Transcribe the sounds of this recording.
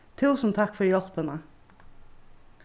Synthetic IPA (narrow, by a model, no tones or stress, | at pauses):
t̪ʰʉːsn̩t̪ʰɑkfɔɹjɔlpənə